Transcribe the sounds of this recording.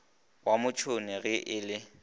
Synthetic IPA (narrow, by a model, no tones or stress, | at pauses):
wamʊt͡ʃʰonɪɣɪʔɪːlɪ